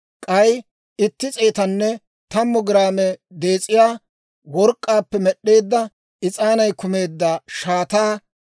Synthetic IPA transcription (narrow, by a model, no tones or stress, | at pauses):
kʼɐj | ɪt̪ːɪt͡sʼeːt̪ɐnːɛ | t̪ɐmːɔɡɪɾaːmɛd̪e̞ːt͡sʼɪjaː | wɔɾkʼːaːpːɛmɛɗːe̞ːd̪ːɐ | ɪt͡sʼaːnɐjkʊme̞ːd̪ːaʃaːt̪aː